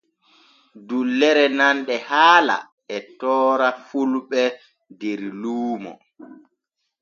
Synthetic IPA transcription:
dulːɛɾɛnanɗɛhaːla̰ | ɛtɔːɾafulɓɛ | dɛɾluːmɔ̰

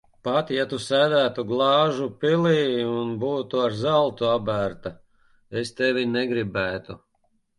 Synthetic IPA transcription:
pat̪jat̪usæːd̪æːt̪uɡlˠɑːʒupilˠiːunbuːt̪uaɾzalˠt̪uabæɾt̪a | est̪ɛvinɛɡɾibæːt̪u

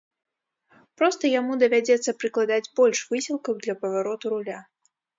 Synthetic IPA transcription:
pɾɔst̪ɐjamud̪ɐvʲad͡zʲɛt̪sːɐpɾɨklˠad̪ad͡zʲbɔlʲʂvɨsʲilˠkɐwd̪lʲɐpɐvaɾɔt̪uɾulʲa

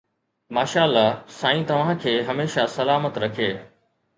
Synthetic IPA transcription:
maːʃaːəlːasaːĩt̪ɐʋ̤ãkʰeːɦɐmeːʃasɐlaːmət̪ɾɐkʰieː

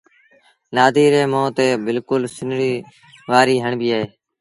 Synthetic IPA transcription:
naːd̪iːɾẽːmõːt̪eːbɪlkʊlsɪnɾiː | ʋaːɾiːɦəɳbiːaːɦeː

